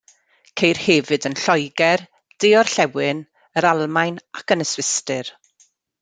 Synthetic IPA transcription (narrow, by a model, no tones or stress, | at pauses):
kʰejrhɛvɨdənɬɔjɡɛr | d̥eɔrɬɛwɪn | əɾalˠmajnakənəswɪstɨr